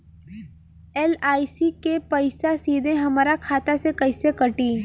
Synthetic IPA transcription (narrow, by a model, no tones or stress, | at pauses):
ɛːlaːisikepɐɪsasiːd̪ʱẽɦɐmaːɾakʰaːt̪asekɐɪsekɐʈiː